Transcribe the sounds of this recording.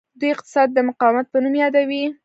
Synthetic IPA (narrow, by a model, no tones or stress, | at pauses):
d̪ujɪq̚t̪ɪ̥sɑd̪ːəmʊqɑwɪmat̪̚pənumjɑd̪awi